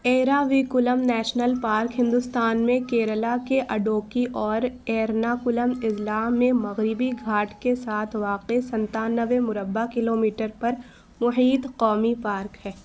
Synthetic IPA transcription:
eːɾaːʋikʊləmnɛːʃnəlpaːɾkɦɪ̃nd̪ʊst̪aːnmẽkeːɾəlakeʔɐɖoːkiʔɔːɾɛːɾnakʊləmɪslaːmːẽmɐɣɾɪbiɡʱaːʈkesaːt̪ʰʋaːqesɐ̃nt̪aːnəʋemʊɾəbːakɪloːmiːʈəɾpɐɾ | mʊɦiːt̪qɔːmipaːɾkɦɛː

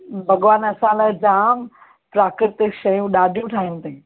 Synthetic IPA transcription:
bʱɐɠʋaːnɐsãlad͡ʑaːm | pɾaːkɾɪɾt̪ʃɐjũɗaːɖʱijũʈʰaːɦɪnɪ̆t̪ɐ̃

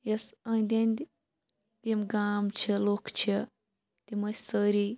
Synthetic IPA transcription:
jɐsɐ̃nd̪ʲenʲd̪ʲ | t̪imɡaːmt͡ʃʰilokt͡ʃʰi | t̪imɐsəɾi

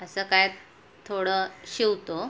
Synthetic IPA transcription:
əsəːkaj | t̪ʰːoɽəɕiwt̪o

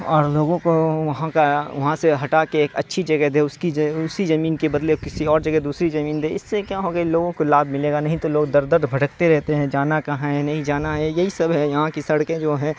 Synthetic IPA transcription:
ɔːɾloːɡõkoʋɐɦãkaʋɐɦãseɦɐʈakeeːkɐ̰tːʃʰid͡ʒɐɡɛɦd̪eːʊskid͡ʒʊsizɐmiːnkebɐd̪lekɪsiɔːɾd͡ʒɐɡɛd̪uːsɾizɐmiːnd̪eːɪsːekjaɦoːɡaloːɡõkolaːb̪mɪleːɡanɐɦĩt̪oloːɡ̚d̪ɐɾd̪əɾd̪bʱɐʈəkt̪eɾɛɦt̪eɦɛ̃d͡ʒaːnakɐɦãɦɛnɐɦĩd͡ʒaːnaɦɛjɐɦisɐbɛjɐɦãkisɐɽkẽd͡ʒoːɦɛ̃

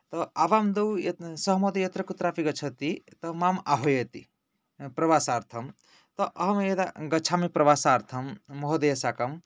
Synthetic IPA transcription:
t̪ɐaʋamd̪ɐwjsɐɦmod̪ejɐt̪ɾɐkut̪ɾapiɡɐt͡ʃʰɐt̪it̪ɐmamaɦojet̪i | pɾɐʋasaːɾt̪ʰɐm | t̪ɐʔɐɦmjed̪aɡɐt͡ʃʰamepɾɐʋasaːɾt̪ʰɐmːɐɦod̪ɐjɐsakɐm

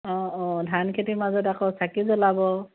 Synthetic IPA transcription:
ɔ̃ɔ̃dʱankʰetimazɔtakɔsakizɔlabɔ

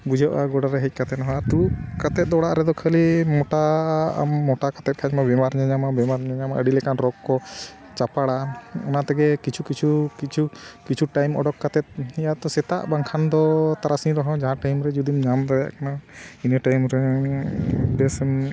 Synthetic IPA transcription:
bud͡ʒɔʔaɡɔɖaɾɛɦɛc̚kat̪ɛt̪ɔɦat̪ukat̪ɛt̪̚ˀd̪ɔɽaʔɾɛd̪ɔkʰəlimɔʈa̰mːɔʈakat̪ɛt̪̚kʰaɲmabɛmaɾɲaɲamabɛmaɾɲaɲamaʔəɖilɛkanɾɔɡkːɔ | t͡ʃapaɽaɔnaʔt̪ɛɡɛkit͡ʃʰukit͡ʃʰukit͡ʃʰukit͡ʃʰuʈajmɔ̰ɖɔkːat̪ɛt̪̚ɛjat̪ɔsɛt̪a̰ʔbaŋkʰand̪ɔt̪aɾasĩɾɔɦɔ̃d͡ʒaɦãʈajmɾɛd͡ʒud̪imɲamt̪aja̰ʔkanainəʈajmɾɛ | bɛs

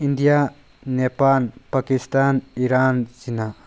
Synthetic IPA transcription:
indija | nepalpakistaniɾanzina

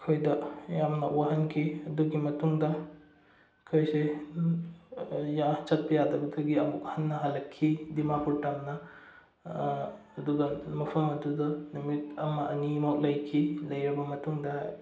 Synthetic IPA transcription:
kʰojdɐjamnɐʔwaɦɐnkʰiɐduɡimɐtuŋdɐ | kʰojse | jat͡ʃɐt̚bɐjadɐbɐdɐɡiɐmukhɐnːɐɦalɐkʰːidimapuɾtamnɐ | duɡɐmɐpʰɐmɐdudɐnumit̚ɐmɐʔɐnimak̚lɐjkʰilɐjɾibɐmɐtuŋdɐ

